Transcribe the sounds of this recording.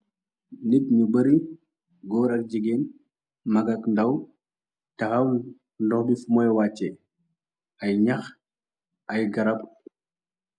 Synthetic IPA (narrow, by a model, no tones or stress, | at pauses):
nikɲubɐɾi | ɡɔːɾɐk̚d͡ʒiɡen | mɐɡɐkndɐw | tɐxɐw | nlɔxbifumɔjwaːt͡ʃːɛ | ɐjɲɐx | ɐjɡɐɾɐp